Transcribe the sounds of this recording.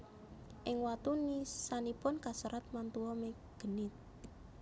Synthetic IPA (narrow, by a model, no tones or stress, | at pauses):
ʔɪŋwat̪unisanipʊnkasuɾat̪̚mant̪uwɔme | ɡ̥ənɪt̪̚